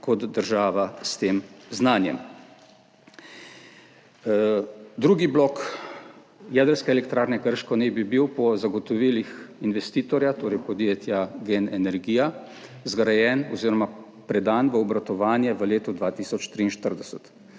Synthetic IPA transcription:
kɔt̪d̪əɾʒaːʋast̪eːmznaːnjɛ̰m | d̪ɾuːɡiblɔk | jɛd̪əɾskɛːlɛkt̪ɾaːɾnɛkəɾʃkɔnɛbibiwpɔzaɡɔt̪ɔʋiːlixinʋɛst̪iːt̪ɔɾjat̪oːɾɛjpɔd̪jeːt̪jaɡenɛnɛɾɡiːja | zɡɾajɛnɔziːɾɔma | pɾɛd̪aːnʋəɔbɾat̪ɔʋaːnjɛʋəleːt̪ɔd̪ʋaːt̪iːsɔt͡ʃt̪ɾiːnʃt̪əɾd̪ɛsət̪

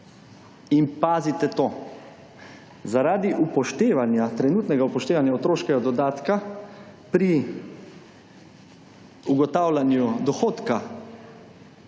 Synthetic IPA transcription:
inpaːzit̪ɛt̪oː | zaɾaːd̪iʔupɔʃt̪eːʋanjat̪ɾɛnuːt̪nɛɡaupɔʃt̪eːʋanjaot̪ɾoːʃkɛɡad̪ɔd̪aːt̪ka | pɾi | uɡɔt̪aːwlanjud̪ɔxoːt̪ka

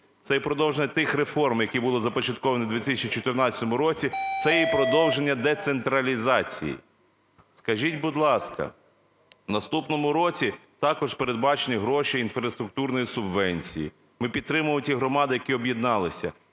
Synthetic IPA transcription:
t̪sɛjipɾɔd̪ɔwʒenʲːɐt̪ɪxɾefɔrmjɐkibulˠɔzɐpɔt͡ʃɐt̪̚kɔʋɐnid̪ʲʋʲit̪ɪsʲɐt͡ʃit͡ʃɔt̪ɪrnɑt͡sʲɐt̪ɔmʊɾɔt͡sʲit̪sɛjjpɾɔd̪ɔwʒe̞nʲːɐd̪ɛt̪sent̪ɾɐlʲizɑt͡sʲḭjḭ | skɐʒʲitʲbʊd̪lˠɑskɐ̰ | nɐst̪upnɔmʊɾɔt͡sʲit̪ɑkɔʒpeɾed̪̚bɑt͡ʃenʲiɦɾɔʃiinfɾɐst̪ɾʊk̚t̪urnɔjisʊbʋɛnʲt͡sʲḭjḭ | mɪpʲid̪̚t̪ɾɪmʊmʊtʲiɦɾɔmɑd̪ɪjɐkiɔbjid̪nɑlˠɪsʲɐ̰

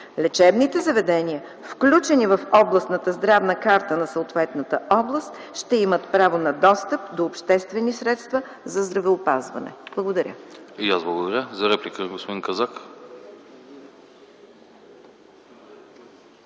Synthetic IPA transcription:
lʲɛt͡ʃɛbnit̪ɛzɐvɛd̪ɛniə | fklʲut͡ʃɛnivəfɔblˠɐst̪nət̪əzd̪ɾavnəkaɾt̪ənɐsəʊt̪vɛt̪nət̪əʔɔblˠəst̪ | ʃt̪ɛimət̪pɾavonɐd̪ɔst̪əp̚d̪oːpʃt̪ɛst̪vɛnisɾɛt̪st̪və | zɐzd̪ɾɐvɛʊpazvɐ̰nɛ̰b̥lˠəɡod̪ɐɾʲʔə̰ijazblˠɐɡod̪ɐɾʲəzɐɾɛplʲikəɡospod̪inkɐzak

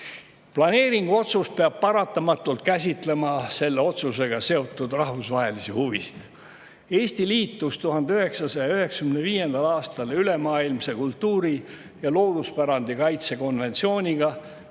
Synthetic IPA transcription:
plɑne̞ːɾiŋɡuo̞t̪sust̪̚peɑb̥̚pɑɾɑt̪ːˑɑmɑt̪ːˑult̪̚kæs̬ʲit̪le̞mɑse̞lːe̞o̞t̪suse̞ɡ̥ɑse̞o̞t̪ːˑud̪rɑɦvusvɑɦe̞lisihuvisi̥d̪̥ | e̞ːsʲt̪iliːt̪ˑːust̪uɦɑnd̪eyhe̞ksɑsɑjɑyɦe̞ksɑkymneviːje̞nd̪̥ɑlɑːst̪ɑlyle̞mɑːilmse̞kult̪ːuːɾi | jɑlo̞ːd̪̥uspæɾɑnd̪̥ikɑjt̪se̞ko̞nve̞nt̪sio̞ːnʲiɡ̥ɑ

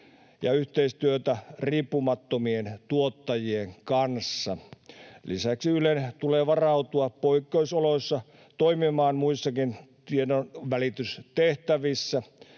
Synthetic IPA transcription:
jɑ̰yht̪eist̪yøt̪æriːpːumɑt̪ːomient̪uot̪ːɑjieŋkɑnsːɑlḭsæksiylent̪uleːʋɑrɑut̪uɑppoikːeusoloisːɑ | t̪oimimɑːnmuisːɑkint̪iedonʋælit̪yst̪eht̪æʋisːæ

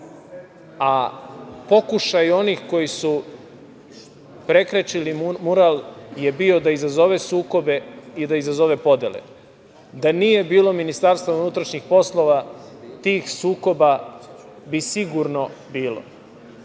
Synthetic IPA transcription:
a | po̞kuʃajo̞nixko̞jisu | pɾe̞kɾet͡ʃilimmuɾalje̞bio̞d̪aizazo̞ʋesuːko̞beid̪aizazo̞ʋe̞po̞d̪jelḛ | d̪anije̞biːlˠo̞minist̪aɾst̪ʋounuːt̪ɾaʃɲixpo̞slˠo̞ʋat̪iːxsuːko̞ba | bisiɡuɾno̞biːlo̰

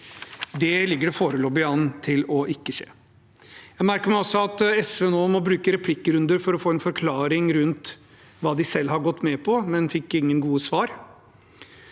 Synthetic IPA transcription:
d̪ɛlɪɡːəɖɛfoːɾəlɔːbɪɑːnt̪ʰɪlɔʔɪkːəʂḛː | jæɪmæɾkəɾmæɪɔsːɔɑt̪ɛsʋɛnoːmɔbɾʉːkəɾɛpʰlɪkːəɾʉnd̪əɾfɔɾɔfoːɛnfɔɾkʰlɑːɾɪŋɾʉnt̪ | ʋɑːd̪ɪsɛlːhɑɾɡɔt̪ːmɛpʰɔmɛnfɪkːɪŋːənɡuːəsʋɑːɾ

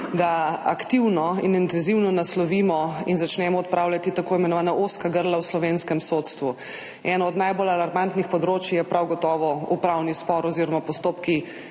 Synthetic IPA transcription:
d̪aa̰kt̪iwnɔḭnint̪ɛnziwnɔnaslɔʋimɔinzat͡ʃnɛmɔɔt̪̚pɾaːwlʲat̪it̪akoːimɛnɔʋaːnaʔoskaɡəɾlawslɔʋenskɛmsot̪st̪ʋu | ɛnɔɔd̪najbolalaɾmant̪nixpɔd̪ɾoːt͡ʃjjɛpɾawɡɔt̪ɔːʋɔupɾawnispɔɾɔziːɾɔmapɔst̪oːpki

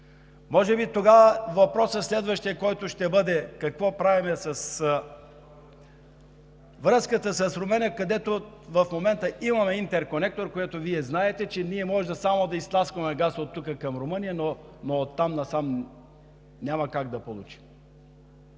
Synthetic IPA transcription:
mɔʒɛbit̪oɡavəvɐpɾɔsəslɛd̪vəʃt̪iɐkɔjt̪oʃt̪ɛbɤd̪ɛkɐkvɔpɾavimɛsɐs | vɾɤskət̪əsɐsɾomənʲiəkɐd̪ɛt̪ovɐfmomɛnt̪əimɐmɛint̪ɛɾkonɛk̚t̪oɾkojat̪oviɛznaɛt̪ɛt͡ʃɛniɛmɔʒd̪ɐsamod̪ɐist̪lˠaskvɐmɛɡasot̪ːukəkɐmɾomɤnijəno | noːt̪ːamnɐsam | nʲamɐkaɡ̚d̪ɐpolˠut͡ʃi̥m

